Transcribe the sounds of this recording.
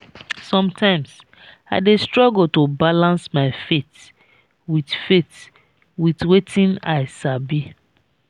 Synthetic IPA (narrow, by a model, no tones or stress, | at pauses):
sɔ̃mtʰãɪ̃ms | aɪdestɹɔɡəltobalãnsmaɪfet | widfet | witwetʰĩna̰ɪsabi